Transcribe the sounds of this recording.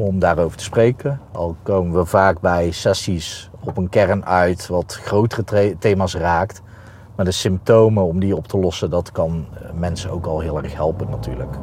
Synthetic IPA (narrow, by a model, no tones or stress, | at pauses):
ɔmdaːrowvəɹtə̥sprejkəɑ̰lˠkowmənʋəvaːkbɛjsɛsis | ɔpənkɛrnœɥtʋɑtxrowtərətejmaːsraːkt | maːdəsɪmp̚towməɔmdiɔptʰəlɔsədɑtkɑnmɛnsənowkɑlˠɦɪːlˠɛɹxɦɛlˠpənːaty̰ːɹlək